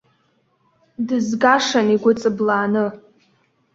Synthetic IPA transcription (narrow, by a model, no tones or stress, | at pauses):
dɨzɡaʂaniɡʷʊt͡sʼɨblaːnɨ